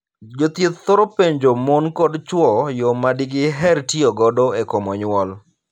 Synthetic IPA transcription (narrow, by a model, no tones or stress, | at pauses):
d͡ʒot̪jet̪t̪ːoɾopeɲd͡ʒomonkɔdt͡ʃwɔjomadiɡɪɦɛrtioɡɔdɔekomɔɲwɔl